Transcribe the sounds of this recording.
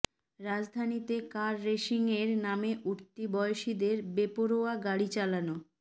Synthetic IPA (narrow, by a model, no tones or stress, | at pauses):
ɾad͡ʑd̪ʱanit̪ekaɾːeʃiŋeɾnameʔuɾt̪ibɔeoʃid̪eɾbepoɾoaɡaɽit͡ɕalano